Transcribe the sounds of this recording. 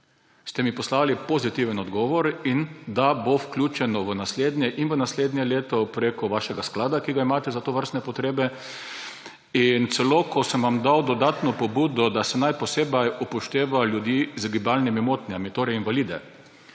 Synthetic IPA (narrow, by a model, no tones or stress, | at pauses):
st̪ɛmipɔslaːlipozit̪iʋənɔd̪ɡɔːʋɔɾind̪abowklʲuːt͡ʃɛnɔʋənasleːd̪nʲjɛʔinʋənasleːd̪nʲjɛleːt̪ɔpɾeːkɔʋaʃɛɡasklaːd̪akiɡaimaːt̪ɛzat̪oːʋəɾst̪nɛpɔt̪ɾeːbɛ | int̪sɛloːkɔsəmʋamd̪awd̪ɔd̪aːt̪nɔpɔbuːd̪ɔd̪asɛnajpɔseːbajupɔʃt̪eːʋaljud̪jizɡibalnimimot̪nʲjamit̪oːɾɛinʋaliːd̪ɛ̰